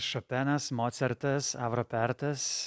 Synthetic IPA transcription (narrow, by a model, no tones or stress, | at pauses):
ʃɔpʲɛnɐsmoːt̪sʲɛɾt̪ɐsɑːʋɾɔpʲɛɾt̪ɐs